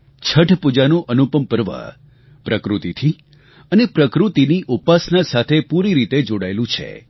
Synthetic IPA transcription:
t͡ʃʰəʈʰpud͡ʒanũʔənupəmpəɾʋa̰ | pɾəkɾut̪it̪ʰi | ənepɾəkɾut̪iniʔupasnasat̪ʰepuɾiɾit̪ed͡ʒoɽaelũt͡ʃʰḛ

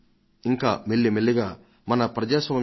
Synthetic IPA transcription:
iŋkaːmeɭːimeɭːiɡaː | mɐnɐpɾɐd͡ʒaːsɐmɐ

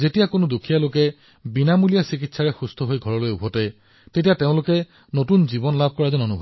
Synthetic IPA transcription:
zetijakonodukʰijalokɛ | binamulijasikitsaɹɛxustʰɔɦojɡʱɔɹɔlojubʱɔtɛ | tetijateʊ̃lʊkɛ | notunzibɔnlab̚ʱkɔɹazɔnonubʱɔb

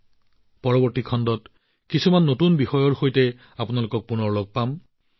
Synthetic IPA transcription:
pɔɹɔbɔɹtikʰɔndɔt | kisumanːotunbixɔjɔɹxojtɛ | apunalʊkɔk̚punɔɹloɡ̚pam

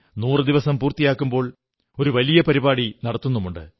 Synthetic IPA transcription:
nuːrɨd̪iʋɐsɐmpuːrt̪ːijaːkːumbo̞ːɭ | o̞ɾuʋɐlijɐpɐɾibaːɽinɐɽɐt̪ːunːumːuɳɖɨ̰

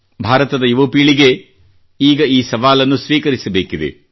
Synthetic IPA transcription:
bʱaːɾɐt̪ɐd̪ɐjuʋoːpiːɭiɡe̞ | iːɡɐiːsɐʋaːlɐnːusʋiːkɐɾisɐbeːkid̪ḛ

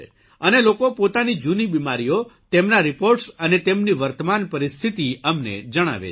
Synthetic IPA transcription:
ənelokopot̪anid͡ʒunibimaɾijot̪emnaɾipoɾʈsənet̪emniʋəɾt̪əmanpəɾist̪ʰit̪iəmnḛd͡ʒəɽ̃a̰ʋḛ

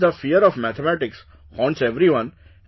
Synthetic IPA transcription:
d̪əfiəɾɔʋmæt̪ʰemæʈɪks | hɔ̃ːɳʈseʋɾiʋʌ̃n

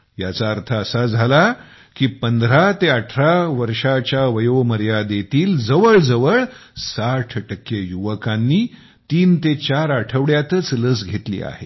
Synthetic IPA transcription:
jat͡saəɾt̪ʰəəsad͡zʱala | kiːpənd̪ɾat̪eəʈʰɾaʋəɾʂat͡ɕjaʋəjoməɾjad̪et̪iːld͡zəʋəɭd͡zəʋəɭsaʈʰʈəkːejuʋəkãnːiː | t̪iːnt̪et͡ɕaɾaʈʰəʋɽjat̪ət͡sləsɡʱet̪lḭːa̰ɦe

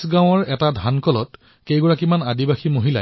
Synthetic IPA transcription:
sɡãw̃ɔɹɛtadʱankɔlɔ̰t | kejɡɔɹakimanadibaximoɦila̰

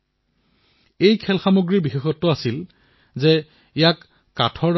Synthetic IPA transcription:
ejkʰɛlxamoɡɹiɹbixexɔtːʊasil | zɛ | ijakː | atʰɔɹ

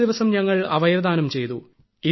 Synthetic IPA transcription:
d̪iʋɐsɐmɲɐŋːɐɭɐʋɐjɐɾɐd̪aːnɐmt͡ɕe̞jt̪u | i

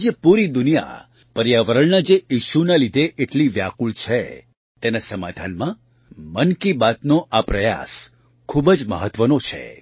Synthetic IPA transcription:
d͡ʒepuɾid̪ʊnija̰ | pəɾjaʋəɾəɭnad͡ʒejiʃunalid̪ʱeʔeʈliʋjakult͡ʃʰe | t̪enasəma̰d̪ʱanmã | mənkibat̪noʔapɾəja̰s | kʰubəd͡ʒmə̰ɦət̪ʋənot͡ʃʰḛ

